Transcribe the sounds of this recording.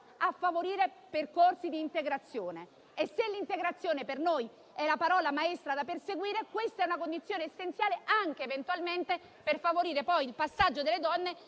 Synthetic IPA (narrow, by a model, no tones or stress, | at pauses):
afːavoɾiːɾeperkorsid̪iːnt̪eɡɾat̪sːjoːneː | sːelːint̪eɡɾat̪sːjoːnepernoːj | ɛlapaɾɔːlamaest̪ɾad̪aperseɡwiːɾekwest̪aɛunakond̪it̪sjoːneːsːent̪sjaːleʔaŋk̟eːvent̪ualment̪e | perfavoɾiːɾepɔjilpasːad͡ʒːod̪elːed̪ɔnːe